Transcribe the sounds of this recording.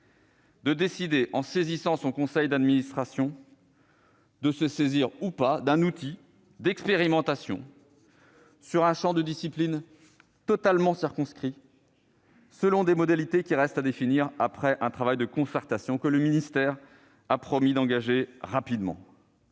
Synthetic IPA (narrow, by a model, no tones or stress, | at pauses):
d̪əd̪esid̪eʔɑ̃sezisɑ̃sɔ̃kɔ̃sɛjd̪ad̪minist̪χasjɔ̃ | d̪əsəseziʁupad̪ɛ̃nut̪i | d̪ɛkspeʁimɑ̃t̪asjɔ̰̃ | syʁɛ̃ʃɑ̃d̪əd̪isiplin | t̪ɔt̪almɑ̃siʁkɔ̃skχi | səlɔ̃d̪emɔd̪alit̪ekʲiʁɛst̪ad̪efiniʁapχɛʔɛ̃t̪χavajd̪əkɔ̃sɛʁt̪asjɔ̃kələminist̪ɛʁ | apχɔmid̪ɑ̃ɡaʒeʁapid̪mɑ̰̃